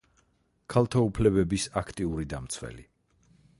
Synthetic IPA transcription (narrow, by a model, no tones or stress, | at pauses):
kʰalˠt̪ʰaupʰlɛβɛbisakʰt̪ʼiuɾid̪amt̪sʰwɛ̰li